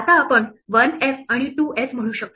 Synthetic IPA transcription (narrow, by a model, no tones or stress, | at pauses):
at̪aːpəɳʋənesaɽ̃iʈuːesm̤əɽ̃uːɕək̚t̪o